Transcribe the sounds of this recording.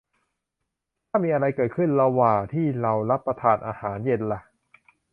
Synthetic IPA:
t̪ʰaː˥˩miː˧ʔa˧ɾa˧jkɤː˨˩t̪̚kʰɯ˥˩nla˧waː˨˩t̪ʰiː˥˩ɾa˧wɾa˦˥pːɾa˧t̪ʰaː˧˩nʔa̰ː˧haː˩˦nje˧nla˧

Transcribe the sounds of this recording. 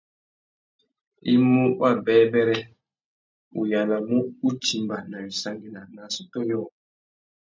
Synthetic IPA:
i˦mu˦wa˦bɛ˨˦bɛ˦ɾɛ˦ | ṵ˨ja˨la˨mu˦u˦t͡ʃi˦mba˨na˨wi˨sa˦ŋɡi˨na˨na˨su˨tɔ˦jɔ˦˨

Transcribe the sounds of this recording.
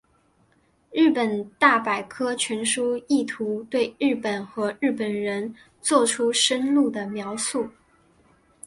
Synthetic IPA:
ɻɻ̩˥˩pə˨˩nt̪a˥˩pa˨˩ɪkʰɤ˥t͡ɕʰɥɛ˧˥nʂu˥i˥˩t̪ʰu˧˥t̪we˥˧ɪɻɻ̩˥˩pə˨˩nxɤ˧˥ɻɻ̩˥˩pə˨˩nɻə˧˥n | t͡swɔ˥˩ʈ͡ʂʰu˥ʂə˥nlu˥˩d̪ə˩mjɑ˧˥ʊsu˥˩

